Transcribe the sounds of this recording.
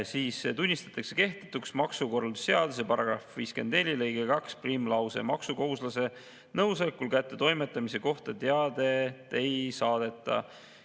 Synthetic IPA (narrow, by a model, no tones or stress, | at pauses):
siːset̪unʲːist̪ɑ̥t̪ːˑɑkse̞ke̞ht̪e̥t̪ːˑuksmɑksuko̞rlsse̞ɑd̪us̬epɑɾɑɡ̥rɑfviːske̞nd̪ne̞lʲilejɡekɑksprimlɑwse̞̰mɑksuko̞ɦuslɑse̞ | nɤwsɑlekːulkæt̪ˑːe̞t̪o̞jmet̪ːˑɑmise̞ko̞ht̪ɑt̪eɑd̪e̞t̪ːˑe̞jsɑːd̪̥e̞t̪ːˑɑ̰